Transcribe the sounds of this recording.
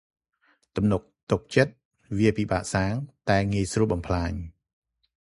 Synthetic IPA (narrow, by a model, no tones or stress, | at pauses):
t̪umnuk̚t̪uk̚t͡ɕət̪̚ | ʋiəpiːɓa̰ːʔsaːŋt̪aɛŋiəjsruəɓɑmpʰlaːɲ